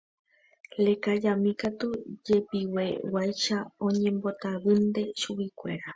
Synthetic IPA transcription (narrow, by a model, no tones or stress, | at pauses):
lekad͡ʒamĩkat̪ud͡ʒepiwe̞wajʃaõ̞ɲẽmbo̞t̪aβɨnd̪e̞ʃuβikʷe̞̰ɾa